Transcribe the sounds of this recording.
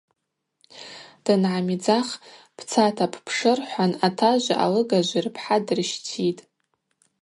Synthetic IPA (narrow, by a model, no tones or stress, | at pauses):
d̥ɨnʕamid͡zaχ | pʰt͡sʰatʰapʰpʰʂɨrħʷanatʰaʒʷa̰ʔa̰lɨɡaʒʷirpʰħadrɨʃtʰitʼ